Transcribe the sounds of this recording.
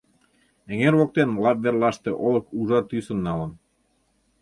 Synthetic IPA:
ɘ̆ŋeɾβok̚t̪enlɑp̚βerlɑʃt̪eʔolɤ̆kuʒɑt̪ysə̆nːɑlɤ̆n

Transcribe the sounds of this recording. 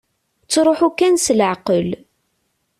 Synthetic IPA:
t͡sːɾˤoħukːænsələʕqəl

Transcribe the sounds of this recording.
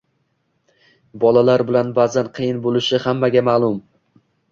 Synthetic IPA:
bɒlalaɾbɪlanbazanqʰɨjɪnbolɪʃɪhamːaɡʲamaːlˠʊm

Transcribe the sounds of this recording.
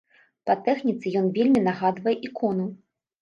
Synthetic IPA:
pɐt̪ɛxnʲit̪sɨjɔnvʲelʲmʲinaɣad̪vɐjɛʔikɔnu

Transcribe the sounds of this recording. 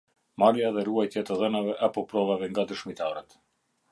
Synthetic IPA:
maɾjaðɛruajt̪jat̪əðɛnavɛʔapɔpɾɔvavɛŋɡad̪əʃmit̪aɾət̪

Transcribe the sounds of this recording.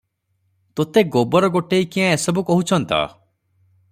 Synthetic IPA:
t̪ot̪eɡobɔɾɔɡoʈeikiãesɔbukɔɦut͡ʃʰɔnt̪ɔ̰

